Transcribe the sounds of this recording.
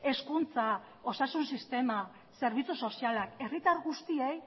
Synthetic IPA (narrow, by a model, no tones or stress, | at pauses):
e̞skunt͡sa | o̞sasunsist̪e̞ma | se̞ɾβ̞it͡suso̞sialake̞rit̪aɾɣust̪iej